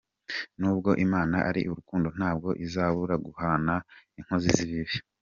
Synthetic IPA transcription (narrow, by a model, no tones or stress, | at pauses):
nuːbɡo̞ʔimaːnaʔaɾiʔuɾukuːndo̞n̥aːb̚ɡo̞ʔizaːβuɾaɡuhanaiŋ̥ho̞ziziβiβi